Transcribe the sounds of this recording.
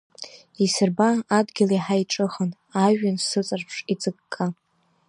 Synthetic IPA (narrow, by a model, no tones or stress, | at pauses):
isɨrbaːdɡʲɪliħaiʈ͡ʂʼɨχən | aʒᶣansɨt͡sʼarpʰʂid͡zɨɡkʼːa